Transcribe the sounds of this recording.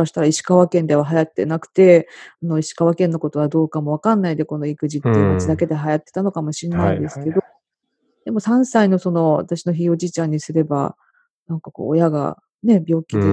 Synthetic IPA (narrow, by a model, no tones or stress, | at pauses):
aɕi̥t̪aɾaiɕi̥kaβakẽ̞nd̪e̞βaɦajat̪ːe̞̰nakɯ̟̥t̪e̞no̞iɕi̥kaβakẽ̞nːo̞ko̞t̪o̞βad̪o̞ːkamo̞β̞akãnːaid̪e̞ko̞no̞ikɯ̟ʑit̪ːeɯmat͡ɕid̪ake̞d̪eɦajat̪ːe̞̥t̪ano̞kamo̞ɕinnːaĩnd̪e̞sɨ̥ke̞d̪o | d̪̥e̞mo̞sãɰ̃saino̞so̞no̞βa̰t̪aɕino̞çio̞d͡ʑiːt͡ɕãɲ̟ːisɨɾe̞ba̰ | nãŋkako̰ːjaɡa̰ | ne̞bʲo̞ːkʲid̪e